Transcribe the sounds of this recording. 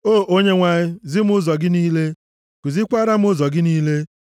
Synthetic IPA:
oː˦˨ʔo˦ɲe˦ŋʷa˨ɲɪ˦zɪ˦m˦ʊ˦zɔ˨ɡɪ˦niː˦le˦ | kʊ˨zɪ˦kʷa˦ɾa˦m̩˦ʊ˦zɔ˨ɡɪ˦niː˦le˦

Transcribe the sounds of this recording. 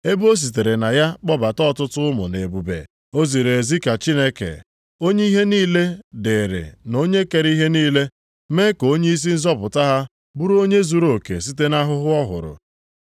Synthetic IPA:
e˦bu˦o˦s̬i˨t̬e˨ɾe˨na˨ja˦k͡pɔ˦ba˨tɔ˦˨tʊ˦tʊ˦mʊ̰˨ne˨bu˨bḛ˨ | o˦zi˨ɾe˨zi˦ka˨t͡ʃi˦ne˦kḛ˨ | o˦ɲe˦i˦ɦe˦niː˦le˦de˨ɾɪ̰˨no˦ɲe˦ke˨ɾi˦ɦe˦niː˦le˦ | me˦ko˦ɲe˦i˦s̬i˦n̩˦zɔ˦pʊ˨ta˦ɦa˦ | bu˦ɾu˦o˦ɲe˦zu˦ɾo˨kḛ˨s̬i˦te˦na˦ɦʊ˦ɦʊ˦ɔ˦ɦʊ̰˨ɾʊ̰˨

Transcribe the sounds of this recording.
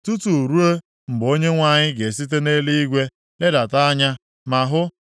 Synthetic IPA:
tu˦tu˨ɾu˦e˦ | m̩˨bo˦ɲe˦ŋʷa˦˨ɲɪ˦ɡe˨s̬i˦t̬e˦ne˦li˦i˦ɡʷe˦ | le˦da˨ta˦a˦ɲa˦ | ma˨ɦʊ˦

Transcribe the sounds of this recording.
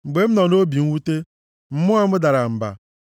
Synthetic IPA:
ŋ͡m̩˨ɡ͡be˨m̩˦nɔ˨no˦bi˨ŋ̩˦wu˦te˦ | m̩˦mʊ˦a˦mʊ˦da˨ɾa˨m̩˨ba̰˨

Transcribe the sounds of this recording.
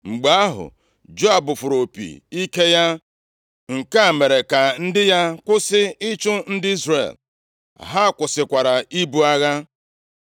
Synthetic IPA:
ŋ͡m̩˨ɡ͡ba˨a˦ɦʊ̰˨ | d͡ʒo˦a˨bʊ˨fʊ˨ɾo˨pḭ˨i˦ke˦ja˦ | ŋ̩˨ka˦˨me˨ɾe˨ka˨n̩˦dɪ˦ja˦kʷʊ˦sɪ˦ɪ˦t͡ʃʊ˦n̩˦dɪ˦i˦zrḛ˨l | ɦa˦˨kʷʊ˨sɪ˨kʷa˨ɾa˨i˦bu˦a˦ɣa˦

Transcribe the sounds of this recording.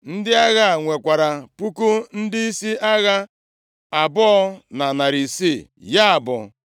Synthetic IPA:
n̩˦dɪ˦a˦ɣa˦˨ŋʷe˨kʷa˨ɾa˨pu˦ku˦n̩˦dɪ˦i˦si˦ʔa˦ɣa˦ | a˨bʊ˦ɔ˦na˨na˨ɾi˨si˦˨ja˦a˨bʊ̰˨

